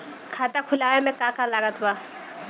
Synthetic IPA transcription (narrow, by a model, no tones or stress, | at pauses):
kʰatakʰulakɛmɛkakalakat̪ʰba